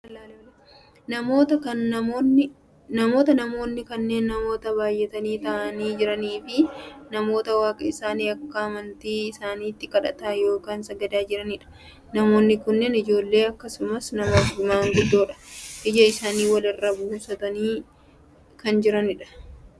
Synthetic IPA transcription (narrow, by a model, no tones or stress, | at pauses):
l | nɐmo̞ːt̪ɐkɐnːɐmoːnːɪ | nɐmo̞ːt̪ɐnɐmo̞ːnːɪkɐnːe̞ːnːɐmo̞ːt̪ɐβaːjːɛt̪ɐniːt̪ɐʔɐniːd͡ʒɪɾɐniːfɪnɐmo̞ːt̪ɐwaːkʼɐɪsaːniːɐkːɐɐmɐnt̪iːɪsaːniːt̪ːɪkʼɐᶑɐ̰t̪aːjo̞ːkaːnsɐɡɐd̪aːd͡ʒɪɾɐnɪᶑɐ̥ | nɐmo̞ːnːɪkʊnːɛnɪd͡ʒo̞ːlːe̞ːɐkːɐsʊmɐsnɐmɐd̪ʊmaːŋɡʊd̪ːo̞ːᶑɐ̥ʔɪd͡ʒɐɪsaːniːwɐlɪrːɐbuːsɐt̪ɐniː | kɐnd͡ʒɪɾɐnɪᶑɐ̥